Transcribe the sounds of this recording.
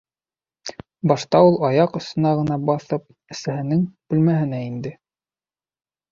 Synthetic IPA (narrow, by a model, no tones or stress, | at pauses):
bɑʃt̪ɑulˠɑjɑqɵ̆st̪ɵ̆nɑʁɤ̆nɑbɑθɤp̚ | ɘ̆sæhɘ̆nɘŋb̥ɘ̆lmæɦɘ̆næind̪ɘ